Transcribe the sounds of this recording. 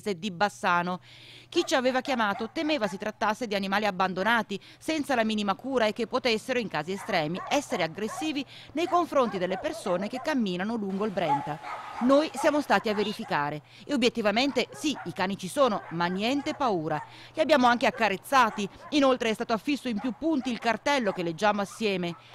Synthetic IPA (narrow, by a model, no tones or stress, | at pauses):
sed̪ibasːaːno | k̟it͡ʃaveːvakjamaːt̪ot̪emeːvasit̪ɾat̪ːasːed̪ianimaːliabːand̪onaːt̪i | sɛnt̪salamiːnimakuːɾaekːepːot̪esːeɾoiŋkaːziest̪ɾɛːmiɛsːeɾeaɡɾesːiːvi | nejkoɱfɾont̪id̪elːepersoːnek̟ekːamːiːnanoluŋɡoilbɾɛnt̪anoːjsjaːmost̪aːt̪iavːeɾifikaːɾe | eobjet̪ːivament̪esiikaːnit͡ʃisoːnomanːjɛnt̪epauːɾa | liabjaːmoaŋkeakːaɾet̪sːaːt̪iinolt̪ɾeɛst̪aːt̪oafːisːoimpjupːunt̪iːlkart̪ɛlːok̟elːed͡ʒːaːmoasːjɛːme